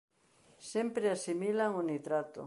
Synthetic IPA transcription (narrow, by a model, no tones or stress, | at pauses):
sempɾeasimilaŋonit̪ɾat̪ʊ̰